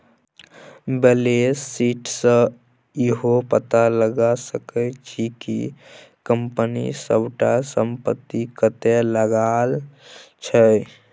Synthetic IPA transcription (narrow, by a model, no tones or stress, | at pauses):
belesːiːʈsə̃ | iɦopət̪aləɡasəkət͡ʃʰikḭ | kəmpənḭsə̰bʈasəmpət̪ːikət̪eləɡalt͡ʃʰə